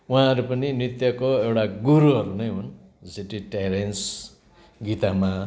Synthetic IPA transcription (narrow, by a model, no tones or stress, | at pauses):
uãʌɾupʌninrit̪jʌkoewʈaɡuɾuɦʌɾunʌjɦun | siʈiʈajɾens | ɡit̪ama